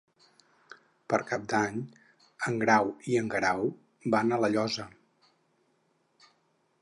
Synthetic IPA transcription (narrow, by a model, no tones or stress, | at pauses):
pəɾkap̚d̪aɲ | əŋɡɾawiəŋɡɾaw | banələʎɔzə